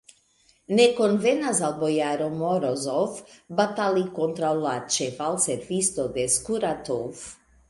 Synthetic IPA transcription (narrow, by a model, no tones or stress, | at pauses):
nɛkonvɛnazalˠbojaɾomoɾozɔfbat̪alikont̪ɾalat͡ʃɛfalˠsɛfist̪od̪ɛskuɾat̪ov